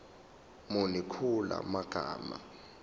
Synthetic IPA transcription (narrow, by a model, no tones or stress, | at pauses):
munikʰula̰maɡ̥ʱaːma